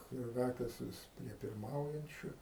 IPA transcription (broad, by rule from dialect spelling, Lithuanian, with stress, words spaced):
ˈkrɑːkʲeːs ˈʋʲɪs pʲrʲiɛ pʲɪrˈmɐʊjɛnʲt͡ʃʲʊ